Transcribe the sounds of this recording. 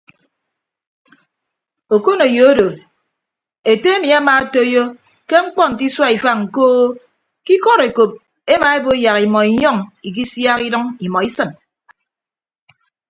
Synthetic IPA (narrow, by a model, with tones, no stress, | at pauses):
o˨ko˦no˨jo˨o˦do˨ | e˨te˦e˦mi˨a˦maː˨˦to˦jo˦ | ke˦ŋ͡m̩˦k͡pɔ˦n̩˨ti˦swa˦i˨fa˦ŋ̩˨koː˦ | ki˦kɔ˦ɾe˨ko˨p̚ | e˦ma˨e˦bo˦ja˨ɣi˨mɔ˨i˨ɲɔ˦˨ŋi˨k̬i˦sja˦ki˦dʌ˦ŋi˨mɔ˨i˦sɨ˨n